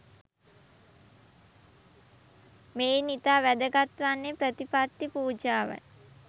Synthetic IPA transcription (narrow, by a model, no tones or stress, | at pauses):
meːnit̪aːʋæd̪əɡat̪ʋanːepɾət̪ipat̪ːipuːd͡ʒaːʋə̰